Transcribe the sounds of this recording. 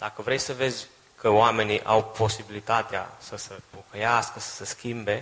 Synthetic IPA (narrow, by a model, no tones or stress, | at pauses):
d̪̥akəvɾe̞jsəve̞zʲ | kʰəoame̞niʔa̰wpo̞sibilit̪at̪ea̰səsepokəjaskəsə̥seskʲimbe̞